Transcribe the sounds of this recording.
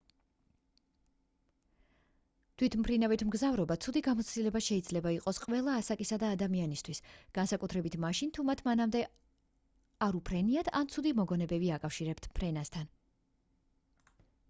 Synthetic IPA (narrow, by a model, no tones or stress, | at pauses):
t̪ʰwit̪ʰmpʰɾinavit̪ʰmɡzavɾɔbat̪sʰud̪iɡamɔt̪sʰt̪ilɛbaʃɛid̪zlɛbaiqʼɔsqʼvɛlˠaːsakʼisad̪aːd̪amianist̪ʰwisɡ̥ansakʼut̪ʰɾɛbit̪ʰmaʃint̪ʰumat̪ʰmanamd̪ɛ | aɾupʰɾɛniat̪ʰant̪sʰud̪imɔɡɔnɛbɛbiakʼafʃiɾɛpt̪ʰpʰɾɛnast̪ʰan